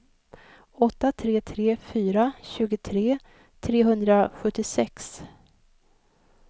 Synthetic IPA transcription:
ɔt̪ːat̪ʰɾeːt̪ʰɾeːfyːɾaɕʉ̟ːɡət̪ʰɾeː | t̪ʰɾeːɦɵnd̪ɾaɧɵʈːɪsɛks

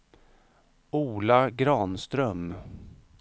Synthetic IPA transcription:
uːlaɡɾɑːnst̪ɾœm

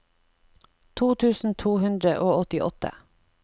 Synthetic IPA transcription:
t̪ʰuːt̪ʰʉːsn̩t̪ʰuːhʉnd̪ɾəʔoːɔt̪ɪʔɔ̰t̪ə̰

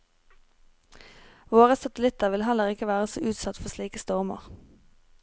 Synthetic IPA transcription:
ʋoːʁəsɑt̪əlɪt̪əʁʋɪlɦɛləʁɪkəʋæːʁəso̰ːʔʉːt̪sɑt̪fɔʁsliːkəst̪ɔʁmə̰ʁ

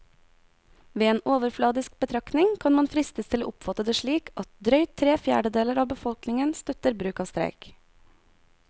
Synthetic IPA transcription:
ʋeːeːnoːʋəɾflɑːd̪ɪsk̚b̥ət̪ʰɾɑknɪŋkʰɑnmɑnfɾɪst̪əst̪ʰɪlo̰ːʔʊpfɑt̪əd̪əːʃɭiːkʔɑt̪̚d̪ɾœʏt̪ʰɾeːfjæ̰ːɖəd̪eːləɾɑːbəfɔlknɪŋənst̪œt̪əɾbɾʉːkɑːʋst̪ɾæ̰ɪk

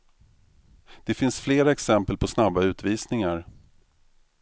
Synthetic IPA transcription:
d̪̥ɛfɪnsfleːɾaɛksɛmpəlpʰɔsnabːaʉ̟ːt̪viːsnɪŋaɾ

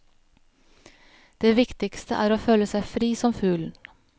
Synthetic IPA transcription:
d̪̥eːʋɪkt̪ɪkst̪ə̰ʔæːɾoːføːləsæɪfɾiːsɔmfʉːln̩

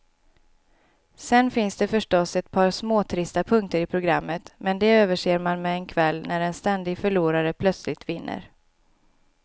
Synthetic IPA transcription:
sɛnfɪnsd̪ɛfœʂʈɔsɛt̪̚pʰɑːɾsmoːt̪ʰɾɪst̪apʰɵŋk̚t̪əɾɪpʰɾʊɡɾa̰mːət̪mɛnd̪ɛøːvəʂeːɾmanmɛːnkʰvɛlːnæɾɛnst̪ɛnd̪ɪɡfœɭuːɾaɾəpʰlœt̪slɪt̪vɪnːə̰ɾ

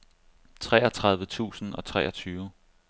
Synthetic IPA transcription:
t͡sʰʁɛːɒt͡sʰʁɑ̈ðˠʋət͡sʰṵːsn̩ɒ̽t͡sʰʁɛ̰ːɒt͡sʰyːʊ

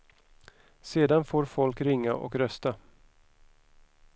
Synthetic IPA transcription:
seːd̪anfoːɾfɔlkɾɪŋːaʔɔ̰kɾœst̪a

